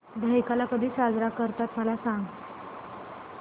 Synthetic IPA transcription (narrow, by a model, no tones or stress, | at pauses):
d̪ʱəjkalakəd̪ʱiːsad͡zɾakəɾt̪at̪məlasãŋɡ